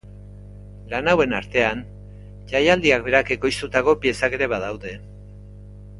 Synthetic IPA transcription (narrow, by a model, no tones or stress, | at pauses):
lanawe̞naɾt̪e̞an | t͡ʃajald̪iakbe̞ɾake̞ko̞jst̪ut̪ako̞pie̞sake̞ɾe̞βað̞awðe̞